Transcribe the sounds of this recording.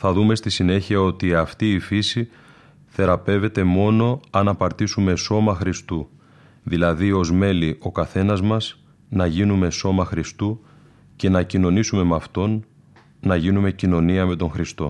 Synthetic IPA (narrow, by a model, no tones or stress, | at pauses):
θɐðume̞st̪isine̞çiɐo̞t̪iɐft̪iːfisi | θe̞ɾɐpe̞ve̞t̪e̞mo̞no̞ɐnɐpɐɾt̪isume̞so̞mɐxɾist̪u | ðilɐðio̞zme̞liʔo̞kɐθe̞nɐzmɐs | nɐʝinume̞so̞mɐxɾist̪u | ce̞nɐcino̞nisume̞mɐft̪o̞nː | ɐʝinume̞cino̞niɐme̞t̪o̞ŋxɾist̪o̞̰